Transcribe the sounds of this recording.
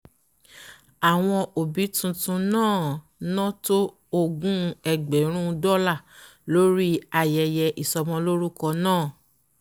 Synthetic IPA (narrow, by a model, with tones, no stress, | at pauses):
a˨w̃ɔ̃˧o˨bi˨˦tũ˧tũ˧nãː˦˨ | nɔ̃˦to˦ | o˦ɡũ˦˧ɛ˧ɡ͡bɛ˨˦ɾ̃ũ˦˧dɔ˦la˦˨lo˦ɾi˦a˨jɛ˧jɛ˧ʔi˨sɔ˧mɔ̃˧lo˦ɾu˦kɔ˧nãː˦˨